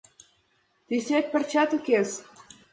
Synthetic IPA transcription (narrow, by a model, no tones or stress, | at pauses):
t̪isʲet̪̚ʲpɘ̆rt͡ɕɑt̪ukes